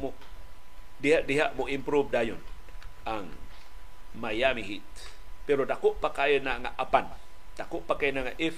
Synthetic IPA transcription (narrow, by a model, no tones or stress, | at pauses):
muʔ | diaʔdiɦaʔmuʔimpɾuvdajun | aŋ | majamiɦit̪̚ | peɾot̪akuʔpakajənaŋa̰ʔapan | t̪akuʔpakajnaŋaʔif